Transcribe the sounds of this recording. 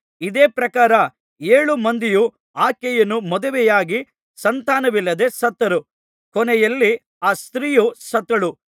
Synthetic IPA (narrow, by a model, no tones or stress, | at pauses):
id̪eːpɾɐkaːɾɐ | eːɭumɐnd̪iju | aːkɛjɐnːumɔd̪ɐʋɛjaːɡi | sɐnt̪aːnɐʋilːɐd̪e̞sɐt̪ːɐɾu | kɔnɛjɐlːi | aːst̪ɾiːjusɐt̪ːɐɭu